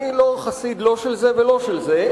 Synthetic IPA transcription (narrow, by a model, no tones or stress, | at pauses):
iloχasid̪lo̞ʃelzevelo̞ʃelze